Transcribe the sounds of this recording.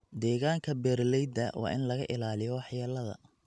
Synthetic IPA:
d̪ɛːɣaːŋkʰɐbɛːrlɛjd̪ɐwʔɑ̰ːʔɪ̰nlɐɣɐʔɪlaːlɪjɔwɑħjaːlɐðɐ̰

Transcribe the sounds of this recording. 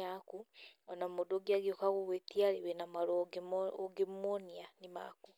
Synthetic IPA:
akuɔnamodoɡiaɣiokaɣuɣwetiaɾewɛnamaɾooɡemmonianima̰ku

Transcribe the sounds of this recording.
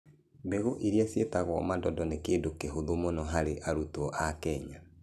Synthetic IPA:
beɣoʔiɾiasjetaɣwɔmadɔdɔnekeːdokeɦoðomonɔɦaɾeʔaɾutwɔʔakɛɲa

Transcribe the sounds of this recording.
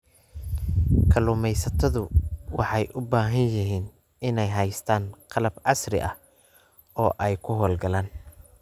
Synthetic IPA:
kʰɐlʊːmɛjsɐt̪ʰɐðʊwɑħɑjʔʊbaːɦɐnjɪɦiːn | ɪnɛjɦɛjst̪ʰaːnqɑlɐbʕɑsrɪ̰ʔɐh | ɔːʔɛjkʰʊɦɔːlɡɐlaːn

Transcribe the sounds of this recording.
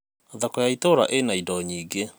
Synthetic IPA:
ðakɔjaitoɾa̰ʔenaidɔɲiːɡe

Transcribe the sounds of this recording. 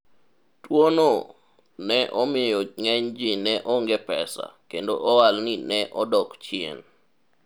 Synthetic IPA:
twono | nɛʔɔmɪjɔŋɛɲd͡ʒinɛʔɔŋɡepɛ̰sa̰kendoʔɔwalninɛʔɔdɔkt͡ʃiḛn

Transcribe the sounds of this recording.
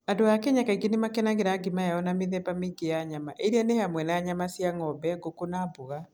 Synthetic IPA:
adoakɛɲakaiɡenemakɛnaɣeɾaɡimajaɔnameðɛbamiɡejaɲamaʔeɾɛnehamwɛnaaɲamasjaŋɔbɛɡokonaboɣa

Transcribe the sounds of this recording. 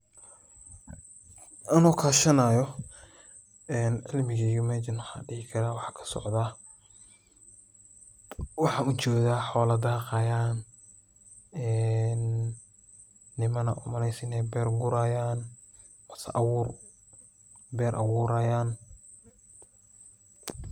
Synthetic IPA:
ʔɐnɔːkʰaːʃɐnaːjɔ | ɛːnʕɪlmɪɣijʊmɛd͡ʒɪnħɑ̰ːɖɪɣɪkʰɐɾaːwɑħɑːkʰɐ̥sɔ̰ʕd̪aː | wɑħɑʊt͡ʃɔːðaːħɔːlɐd̪aːqɑjaːn | ɛn | ɪmɐnɐ̰ʔʊ̰mɐlɛjsɪnɛjbɛːrɡʊɾaːjaːn | mɐsɐ̰ʔɐwʊr | bɛːɾʔɐ̰wʊːɾaːjaːn

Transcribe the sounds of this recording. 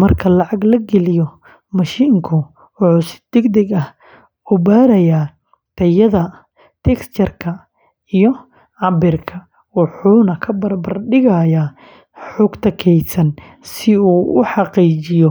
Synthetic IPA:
mɐrkʰɐlɑʕɑɡlɐɡɛlɪjɔ | mɐʃiːŋkʰʊ | wʊħuːsɪ̥d̪ɛɡd̪ɛɡɐh | ubaːɾɐjaː | t̪ʰɐjɐðɐ | t̪ʰɛkst͡ʃɐrkʰɐ | ijɔ | ʕɑbɪrkʰɐ | wʊħuːnɐkʰɐbɐrbɐrɖɪɣajaː | ħʊɡt̪ʰɐkʰɛjsɐn | sɪuːʊħɑqiːt͡ʃɪjɔ

